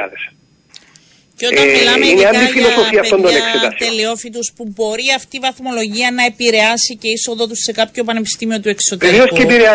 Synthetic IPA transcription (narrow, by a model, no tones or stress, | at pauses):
ðes | ceo̞t̪ɐmilɐmeineɐnd̪ifilosofiɐft̪o̞nd̪onekset̪ɐselio̞fit̪uspubo̞ɾiɐft̪ivɐθmo̞lo̞ʝiɐnɐe̞piɾe̞ɐsice̞isoðot̪usːe̞kɐpço̞pɐnepi̥st̪imio̞t̪ue̞kso̞t̪eɾioskipiɾeɐ